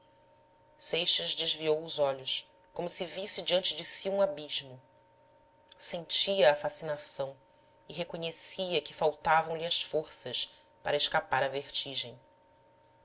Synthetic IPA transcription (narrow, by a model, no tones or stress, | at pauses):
sejʃɐzd͡ʒɪʒviowʊzɔʎʊʃ | kõmʊsɪvisɪd͡ʒiɐ̃nt͡ʃɪd͡ʒɪsiũabiʒmʊ | sẽnt͡ʃiɐːfasinasɐ̃w̃ | ɪɦekoɲesiɐkɪfawt̪avɐ̃w̃lɪɐsfoɾsɐʃ | pa̰ɾɐɪʃkapaɾɐveɾt͡ʃiʒẽj̃